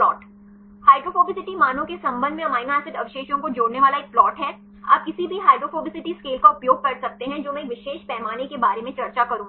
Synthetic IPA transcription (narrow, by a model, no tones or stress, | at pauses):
ɔːʈ | haːɪʈɾofoːbɪsɪʈimaːnõkesɐ̃mbə̃nd̪mẽɐmaːɪnaːsɪʈɐʋʃeːʃjõkod͡ʒoːɽneʋaːlaeːk̚plɔːʈɦɛ | a̰ːp̚kɪsibʱiɦaːɪʈɾofoːbɪsɪʈiskeːlkaʊpjoːɡ̚kɐɾsɐk̚t̪eɦɛ̃d͡ʒoːmɛ̃kʋɪʃeːʃpɛːmaːnekebaːɾemẽt͡ʃɐɾt͡ʃakɐɾũː